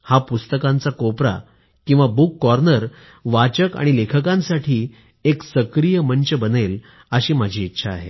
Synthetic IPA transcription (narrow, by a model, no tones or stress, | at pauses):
hapust̪əkãnt͡sakopɾa̰ | kĩw̃ʋabukːɔɾnəɾ | ʋat͡ɕəka̰ɽ̃ilekʰəkãnsaʈʰiː | eksəkɾijəmənt͡ɕəbənel | əɕiːmad͡ʑʱiːtːɕʰa̰ːɦḛ